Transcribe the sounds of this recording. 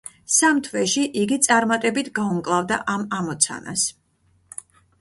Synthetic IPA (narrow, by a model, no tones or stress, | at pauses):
samt̪ʰvɛʃiʔiɡit̪sʼaɾmat̪ʼɛbit̪ʰɡaumkʼlˠavd̪aʔamamɔt̪sʰa̰na̰s